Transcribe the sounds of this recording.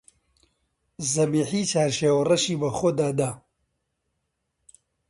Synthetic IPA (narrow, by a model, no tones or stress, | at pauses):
zɐbiːħit͡ʃaːɾʃeːwrɐʃiːbɐxod̪aːd̪a